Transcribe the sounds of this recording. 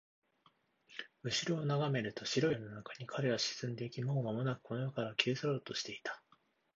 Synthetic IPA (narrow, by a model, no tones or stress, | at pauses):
ɯ̟ɕiɾo̞ːnaɡame̞ɾɯ̟t̪o̞ɕiɾo̞ino̞nakaɲ̟ikʰaɾe̞βaɕi̥sɨ̃nd̪e̞ikʲimo̞ːmamo̞nakɯ̥konojokaɾakʰʲe̞ːsaɾoːt̪o̞ɕi̥t̪e̞it̪ḁ